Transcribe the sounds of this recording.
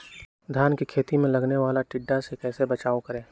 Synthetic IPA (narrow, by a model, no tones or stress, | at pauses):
d̪ʱjaːnkikʰeːt̪imẽlɐɡneʋaːlaʈɪɖːasekɛːsebɐt͡ʃaːokɐɾẽː